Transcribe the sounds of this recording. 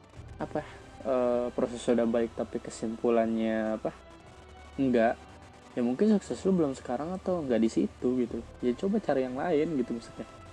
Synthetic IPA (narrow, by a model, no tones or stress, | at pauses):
apa | əːpɾosɛsudahbaɪk̚t̪apikəsimpulanɲaːpa | əŋɡaʔ | jamuŋkɪnsuksɛslʊbəlʊmsə̥kaɾaŋat̪awəŋɡaʔdisḭt̪uɡit̪uljat͡ʃobat͡ʃaɾajaŋlaɪnɡit̪uməsu̥k̚ɲa